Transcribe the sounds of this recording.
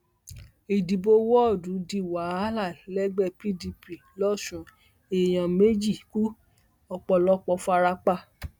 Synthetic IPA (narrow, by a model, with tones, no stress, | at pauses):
i˨di˨bo˧wɔ˦ɔ˦˨dũ˨˦di˦˨wa˨˦la˦˨lɛ˦ɡ͡bɛ˦˨pi˦di˧pi˨lɔ˦˨ʃũ˨˦ | e˨j̃ã˨me˦d͡ʒi˦˨ku˦ | ɔ˧k͡pɔ˧lɔ˦k͡pɔ˧fa˧ɾa˧k͡pa˧˨